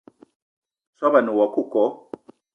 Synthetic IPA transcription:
swa˦βa˨nu˨wa˨ku˦˨kɔ˨˦

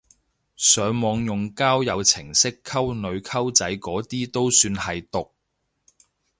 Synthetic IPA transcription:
sœː˨˥ŋmɔː˨˧ŋjʊ˨ŋkaː˥wjɐ˨˧wt͡sʰɪ˨˩ŋsɪ˥kʰːɐ˥wnɵ˨˧ɥkʰɐ˥wt͡sɐ˨˥jkɔː˨˥t̪iː˥t̪o˥wsyː˧nhɐ˨jt̪ʊ˨k̚

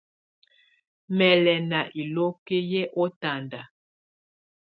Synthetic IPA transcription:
mɛ˨lɛ˨na˨ʔi˨lo˦ke˦jɛ˦ʔɔ˦ta˨nda˨

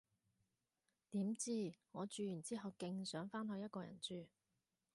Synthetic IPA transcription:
t̪iː˨˥mt͡siː˥ŋɔː˨˧t͡ʃyː˧jyː˨˩nt͡siː˥ɦɐ˨wkɪ˧ŋsœː˨˥ŋfaː˥nɦɵ˧jɐ˥t̚kɔː˧jɐ̰˨˩nt͡ʃyː˨˧

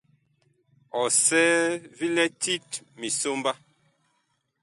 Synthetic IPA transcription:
ɔ˨sɛ˦vi˦lɛ˦tʰi˦t | mi˨so˦mba˦

